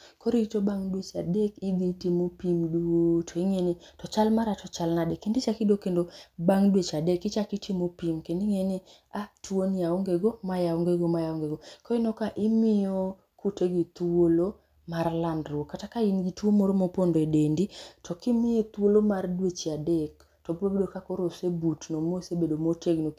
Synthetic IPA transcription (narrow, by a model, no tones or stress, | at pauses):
koɾiitobaŋdwet͡ʃadekɪd̪itimopimduotʰoiŋenitɔt͡ʃalmaɾatɔt͡ʃalnadekːendit͡ʃakidokendobaŋdwet͡ʃadekɪt͡ʃakitimopimkendiŋeni | atwoniaoŋɡeɡomajaoŋɡeɡomajaoŋɡeɡokɔinɔkaʔɪmɪjo | kuteɡit̪wolo | maɾlandɾokːatakainɡituomoɾomopondoedenditʰɔkimɪet̪uolomardwet͡ʃɪadek | tɔbobedokakoɾosebutnomosebedomoteɡno